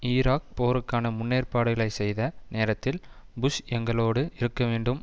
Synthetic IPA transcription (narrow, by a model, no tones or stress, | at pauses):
iːɾaːk̚poːɾɯkːaːnɐmʊnːeːrpaːɽɯɣɐɭɐɪsɛjðɐneːɾɐt̪ːɪl | bʊʂɛŋɡɐɭoːɽɯʔɪɾɯkːɐʋeːɳɖɯm